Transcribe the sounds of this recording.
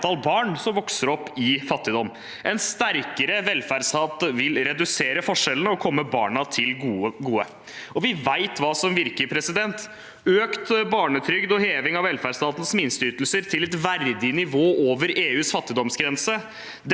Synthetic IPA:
ɑlbɑːɳsɔmʋɔksəɾɔpːɪfɑt̪ːɪd̪ɔmː | ʔɛnst̪æɾkəɾəʋɛlfæɖsɑːt̪ʋɪlɾɛd̪ʉseːɾəfɔʂɛlənəɔkʰɔmːəbɑ̰ːɳɑt̪ʰɪlːɡuːə | ɔʋɪʋæɪt̪ʰʋɑːsɔmʋɪɾkəɾpʰɾɛsɪd̪ɛnt̪ | øːkt̪bɑːɳət̪ʰɾʏɡd̪ɔheːʋɪŋɑʋɛlfæɖst̪ɑːt̪n̩smɪnst̪əyːt̪l̩səɾt̪ʰɪlɛt̪ʋæɾd̪ɪnɪʋoːʔoːʋəɾeːʉːsfɑt̪ːɪd̪ɔmsɡɾɛnsə | d̪

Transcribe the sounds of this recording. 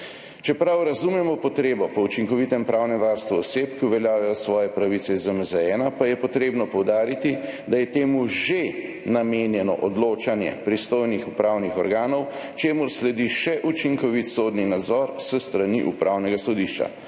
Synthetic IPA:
t͡ʃɛpɾawɾazumjɛmɔpɔt̪ɾeːbɔpɔut͡ʃiŋkɔʋit̪ɛmpɾʔaːwnɛmʋaɾst̪ʋuɔseːpkiuʋɛljaːʋɛjɔsʋɔːjɛpɾaʋisɛzəmzɛɛːnapajɛpɔt̪ɾeːbnɔpɔwd̪aːɾit̪id̪ajɛt̪eːmuʒe | nameːnjɛnɔ̰ʔɔd̪loːt͡ʃanjɛ̰pɾist̪oːjnixupɾaːwnixɔɾɡaːnɔw | t͡ʃeːmuɾslɛd̪iʃɛʔut͡ʃiŋkɔʋit̪sod̪ninad̪zɔɾsəst̪ɾaniʔṵpɾʔawnɛɡasɔd̪iʃt͡ʃa̰

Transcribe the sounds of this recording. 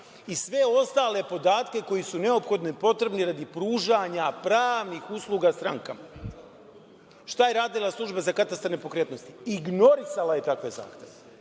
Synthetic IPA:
isʋe̞o̞st̪aːle̞po̞d̪aːt̪ke̞ko̞jisune̞opxo̞d̪nepo̞t̪ɾe̞bniɾad̪ipɾuːʒaɲapɾaːʋnixuslˠuɡast̪ɾa̰ŋkama | ʃt̪aje̞ɾaːd̪ilˠaslˠuʒbazakat̪ast̪aɾnepo̞kɾeːt̪no̞st̪iiɡno̞ɾisalaje̞t̪akʋe̞za̰ːxt̪ʲe̞ʋe

